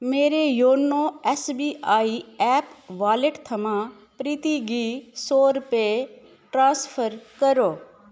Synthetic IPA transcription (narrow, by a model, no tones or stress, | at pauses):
meːɾejoːnoɛsbiːʔaːiɛːpʋaːleʈt̪ʰɐmã | pɾiːt̪iɡisoːɾpe | ʈɾãːspʰəɾkəɾoː